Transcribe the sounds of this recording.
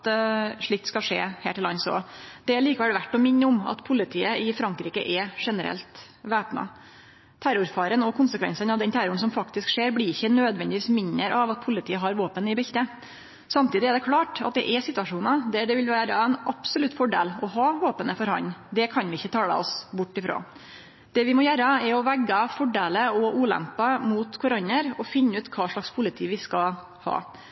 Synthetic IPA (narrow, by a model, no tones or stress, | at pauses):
t̪ʂɭɪk̚t̪skɑlʂḛːhḛːʈʰɪlɑnsɔ̰d̪̥ɛæɭiːkɑʋɛlʋæʈːɔmɪnːəʊmɑ̰t̪pʰʊlːɪt̪ʰiːəɪfɾɑŋkɾiːkə̰ʔɛʂɛnəɾɛ̰lt̪ | ʋæːpnɑ̰ | t̪ʰæɾʊɾfɑːɾənɔkʰʊnsəkʰʋɛ̰nsənɑʋd̪ɛnt̪ʰæɾʊəɳ̩sɔmfɑkt̪ɪskʂeːɾblɪɾɪçːənøːd̪ʋɛnd̪ɪʋiːsmɪnːəɾʔɑʋɑt̪̚pʰʊlɪt̪iːəɦɑɾʋoːpənɪbɛçt̪ə | sɑmt̪ʰiːd̪ɪɛɖɛkʰlɑːʈɑ̰t̪̚d̪ɛ̰ʔɛsɪt̪ʋɑʂuːnɑd̪æɖɛʋɪlʋæːɾɑɛnʔɑpsɔlʉt̪ːfɔɖḛːlɔɦɑːʋoːpənəfɔɾhɑ̰nd̪ɛkʰɑnʋɪɪçːət̪ʰɑːɽə̰ɔsbʊʈːɪfɾo̰ː | d̪̥ɛʋɪmɔjæɾɑɛɾɔʋæɡːəfɔɖeːləɔʔuːlɛ̰mpɑmuːt̪kʰʊɾɔnːəɾɔfɪnːəʉːt̪kʰɑːʂɭɑkspʰʊlɪt̪ʰiːʋɪskɑ | hɑ̰ː